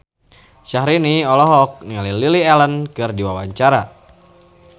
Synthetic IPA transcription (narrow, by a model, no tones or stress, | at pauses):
ʃahɾiniɔlɔɦɔk̚nialililiɛlənkɨrdiwawaɲt͡ʃaɾa